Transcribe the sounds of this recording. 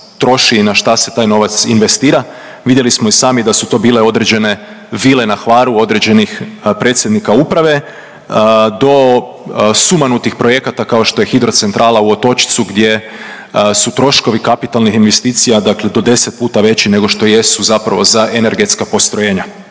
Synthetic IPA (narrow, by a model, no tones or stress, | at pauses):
t̪ɾo̞ʃinaʃt̪ase̞t̪aːjno̞ʋat̪sinʋe̞st̪iːɾa | ʋid̪je̞lismoisaːmid̪asut̪o̞ːbiːleo̞d̪ɾe̞d͡ʑe̞ne̞ | ʋiːle̞naxʋaːɾuo̞d̪ɾe̞d͡ʑe̞nixpɾet̪sjed̪nikaupɾaʋe̞ | d̪o̞ | sumanut̪ixpɾoje̞kat̪akao̞ʃt̪o̞je̞xid̪ɾo̞t̪se̞nt̪ɾʔaːlauo̞t̪o̞t͡ʃi̥t̪suɡd̪je̞ | sut̪ɾo̞ʃko̞ʋikapit̪alnixinʋe̞st̪iːt̪sijad̪akle̞d̪o̞d̪e̞set̪̚puːt̪aʋe̞t͡ɕine̞ɡo̞ʃt̪o̞je̞suzapɾaʋo̞zaʔene̞ɾɡe̞t̪skapo̞st̪ɾoje̞ːɲa